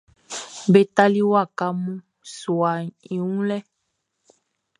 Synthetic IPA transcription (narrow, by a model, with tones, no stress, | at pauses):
be˦t̪a˦li˦wa˦˨ka˦mũ˦ | su˨a˨ĩ˨wũ˦lɛ˦